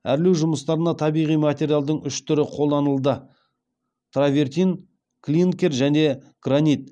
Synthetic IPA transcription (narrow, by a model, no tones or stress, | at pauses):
æɾlewʒʊməst̪ɑɾənɑt̪ʰɑbijʁijmat̪ʲe̞ɾʲjalˠd̪əɴʏʃt̪ʰʏɾɪqʰo̞lˠd̪ɑnəlˠd̪ə | t̪ʰravʲe̞rt̪in | klʲinkʲe̞ɾʒæne̞ | ɡ̥ranʲit̪̚